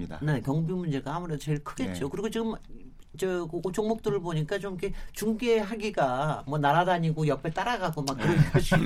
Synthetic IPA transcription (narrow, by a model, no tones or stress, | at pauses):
ane̞kjʌŋbimund͡ʑe̞ɡaamuɾedot͡ɕe̞ɭkʰɯɡe̞t̚t͡ɕ͈okɯɾiɡot͡ɕiɡɯmː | t͡ɕʌkɯot͡ɕʰoŋmok̚t͈ɯɾɯɭboɲik͈at͡ɕomikʰet͡ɕuŋɡe̞ɦaɡiɡamwʌnaɾadaɲiɡojʌpʰet͈aɾaɡaɡomak̚kɯɾʌnkɯɕʰi